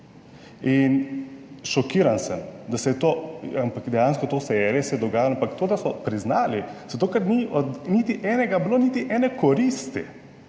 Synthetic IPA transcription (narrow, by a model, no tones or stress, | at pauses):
in | ʃɔkiːɾansəmd̪asɛjɛt̪oːampakd̪ɛjanskɔt̪oːsɛɛɾijɛsɛjɛd̪ɔɡaːjalɔampakt̪oːd̪asɔpɾiznaːliz̥at̪okaɾniɔd̪nit̪iʔɛːnɛɡabloːniːt̪iʔɛːnɛkɔɾiːst̪ḭ